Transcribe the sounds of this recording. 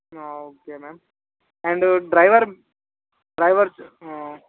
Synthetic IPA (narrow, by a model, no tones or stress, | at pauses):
ooːkemeːm | ɛ̃ɳɖɖɾɐɪʋəɾ | ɖɾɐɪʋəɾso